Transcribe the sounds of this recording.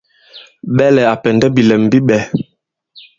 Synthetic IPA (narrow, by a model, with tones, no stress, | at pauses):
ɓɛ˦lɛ˨a˨pɛ˨ndɛ˦bi˨lɛ˨m˨bi˦ɓɛ˨